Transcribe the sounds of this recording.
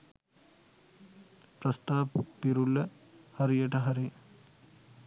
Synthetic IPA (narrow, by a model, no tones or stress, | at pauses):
pɾɐst̪aːbpiɾulːɐ | hɐɾijeʈɐɦɐɾi